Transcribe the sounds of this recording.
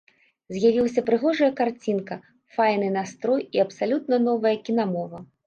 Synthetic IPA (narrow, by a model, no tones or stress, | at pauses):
zʲjavʲilˠɐsʲɐpɾɨɣɔʐɐjɐkart͡sʲinkɐ | fajnɨnast̪ɾɔjiɐpsalʲut̪̚nɐnɔvɐjɐkʲinamɔvɐ